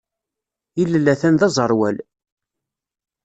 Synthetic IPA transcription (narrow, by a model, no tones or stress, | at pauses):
ilːəlːæθænðɑzˤəɾˤwæl